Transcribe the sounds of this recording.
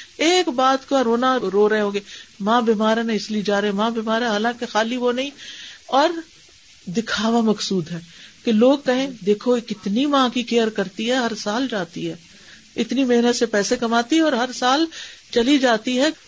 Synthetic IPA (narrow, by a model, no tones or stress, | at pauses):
eːkbaːt̪koɾoːnaɾoːɾɐɦẽɦõːɡemãːbiːmaːɾeneɪsliied͡ʒaːɾẽmãːbiːmaːɾɦɛ̃ɦaːlãːkexaːliʋonɐɦĩɔːɾ | d̪ɪkʰaːʋamɐksuːd̪ɦɛːkeloːɡ̚kɐɦẽd̪eːkʰokɪt̪nimãːkikejəɾkɐɾt̪iɦɛɦɐɾsaːld͡ʒaːt̪iɦɛː | ɪt̪nimɐɦnət̪sepɛːsekɐmaːt̪iɦɛɔːɾɦɐɾsaːlt͡ʃɐlid͡ʒaːt̪iɦɛ